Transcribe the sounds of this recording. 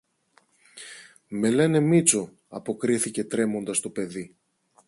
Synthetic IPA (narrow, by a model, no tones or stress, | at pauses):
me̞lene̞mit͡so | ɐ̰po̞kɾiθice̞t̪ɾe̞mo̞nd̪ɐst̪o̞pe̞ði